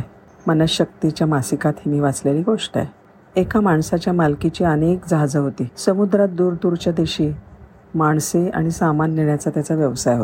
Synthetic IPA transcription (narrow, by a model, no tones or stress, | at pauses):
mənəɕək̚t̪it͡ɕjamasikat̪himiːʋat͡slaɾiːɡoʂʈa̰j | ekamaɳsat͡ɕjamalkit͡ɕiːənekd͡zɦd͡zəɦot̪iːsəmud̪ɾat̪̚d̪uːɾt̪uɾt͡ɕjad̪eɕiː | maɳsea̰ɽ̃isamanːəɳjat͡sat̪jat͡saʋjəʋsajɦo̰t̪